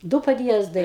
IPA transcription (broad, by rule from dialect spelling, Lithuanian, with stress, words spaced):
ˈdʊ pɐdʲˈjiɛzdɐɪ